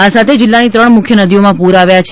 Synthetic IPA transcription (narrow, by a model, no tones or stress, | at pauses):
asat̪ʰed͡ʒɪlːanit̪ɾəɳmʊkʰjənəd̪ʱijomãpuɾaʋjat͡ʃʰ